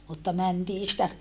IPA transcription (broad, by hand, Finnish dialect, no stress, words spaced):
mutːɑ mæntiː sĭtæ